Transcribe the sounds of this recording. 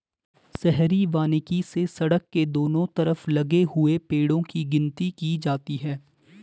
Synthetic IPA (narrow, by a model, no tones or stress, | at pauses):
sɛɦɾiʋaːnɪkisesɐɽəkːed̪oːnõt̪ɐɾəflɐɡeɦʊepeːɽõkiɡɪ̃nt̪ikid͡ʒaːt̪iɦɛː